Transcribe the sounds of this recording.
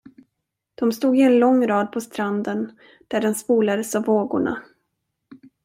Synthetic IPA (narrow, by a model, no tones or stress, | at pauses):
d̪̥ɔmst̪uːɡɪɛnlɔŋːɾɑːd̪̚pʰɔst̪ɾand̪ən | d̪̥æɖɛnspuːlad̪əsavːoːɡʊ̰ɳa̰